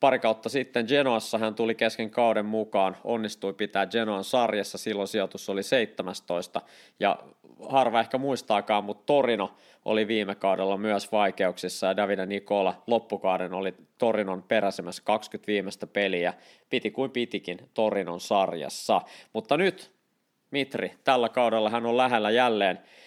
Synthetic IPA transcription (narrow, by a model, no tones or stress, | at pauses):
pɑɾikɑut̪ːɑsit̪ːend͡ʒenoɑsːɑɦænt̪ulikeskeŋkɑudemmukɑːnonːist̪uipit̪æːd͡ʒenoɑnsɑrjɑsːɑsilːonsiot̪usːoliseit̪ːemæst̪oist̪ɑ | jɑ̰ | hɑrʋɑehkæmuist̪ɑːkɑːmmut̪t̪orino | ʔo̰liʋiːmekɑudelːɑmyœsʋɑikeuksisːɑjɑdæʋidænikolɑlopːukɑudenolit̪orinonpeɾæsimæskɑkskyt̪ʋiːmest̪æpeliæ | pit̪ikuimpit̪ikint̪orino̰nsɑrjɑ̰sːɑmut̪ːɑnyt̪ | mit̪rit̪ælːækɑudelːɑɦænollæɦelːæjælːeːn